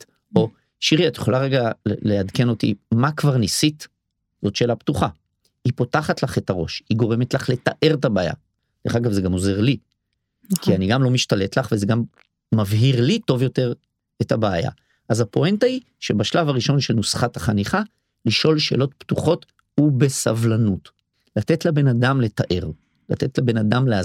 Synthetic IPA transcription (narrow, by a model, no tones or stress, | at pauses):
o̞ | ʃiʁiat̪jeχo̞laʁeɡaleadke̞no̞tḭmakvaʁnisit | zo̞tʃeːlaptuχa | ipo̞taχatlaχe̞taʁo̞̰ʃhiɡo̞ʁe̞metlaχle̞t̪aʔe̞ʁetabeːja̰ | deχaɡavzeɡamo̞ze̞ʁli | kʰianiɡamlo̞miʃtale̞tlaχve̞zeɡamː | avɦiʁlito̞vjo̞te̞ʁ | etabeːja̰ | ʔazapo̞entai | ʃe̞baʃlavaʁiʃo̞nʃe̞lnusχathaχaniχa | liʃʔo̞lʃe̞̰ːlo̞tptuχo̞t | hubesavlanut | lat̪e̞tlebe̞nadamle̞taʔe̞ʁ | lat̪e̞tlebe̞nadamlea